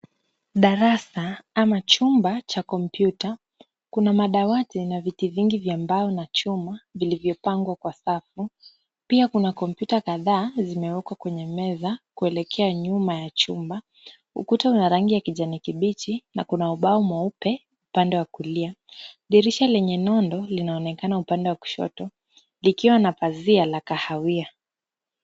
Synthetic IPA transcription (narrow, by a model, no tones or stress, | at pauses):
ɗaɾasaamat͡ʃumbat͡ʃakɔmpjuta | kunamaɗawatinavitiviŋɡivjambaɔnat͡ʃumavilivjɔpaŋɡwakwasafu | piakunakɔmpjutakaðaːzimɛwɛkwakwɛɲɛmɛzakuɛlɛkʰɛaɲumajat͡ʃumba | hṵkutaunaɾaŋɡijakiʄanikiɓit͡ʃina̰kunauɓaɔmwaupɛ | upandɛwakuliaɗiɾiʃalɛɲɛnɔndɔlinaɔnɛkanaupandɛwaku̥ʃɔ̰tɔ | likiwanapazialakahawia